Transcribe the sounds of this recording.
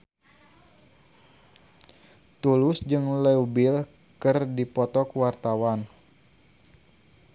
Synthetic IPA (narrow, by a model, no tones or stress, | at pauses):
t̪ulʊsd͡ʒɨŋlɛubɪl | kɨrdipɔt̪ɔkwart̪awan